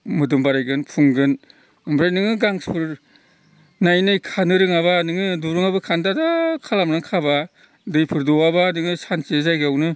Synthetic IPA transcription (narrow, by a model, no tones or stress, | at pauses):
mɯdɯmbaɾajɡɯnpʰuŋɡɯn | ɯmbɾajnɯŋɯɡaŋspʰɯɾ | najnɯjkʰanɯɾɯŋaβanɯŋɯduɾɯŋabɯkʰandadakʰalamɾɯŋkʰaba | dɯjpʰɯɾdɔwabanɯŋɯsansezajɡawnɯ